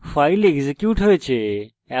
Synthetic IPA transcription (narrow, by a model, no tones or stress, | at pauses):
faːɪleɡzekjuːʈɦoet͡ɕʰẽ